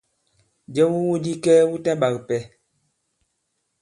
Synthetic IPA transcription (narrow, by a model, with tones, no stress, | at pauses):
d͡ʒɛ˦wu˦wu˦di˦kɛ˦wu˦ta˦ɓa˨kpɛ˨